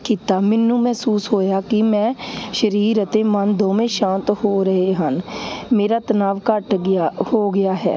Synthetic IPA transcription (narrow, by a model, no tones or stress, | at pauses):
kiːt̪aːmɪnːũːmɛːsuːsɦoːjaːkɪmɛ̃ːʃəɾiːɾət̪eːmənd̪õːmẽːʃãːnt̪hoːɾəɦeːɦənmeːɾaːt̪ənaːʋkəʈhoːɡɪjaːɦɛ̰ː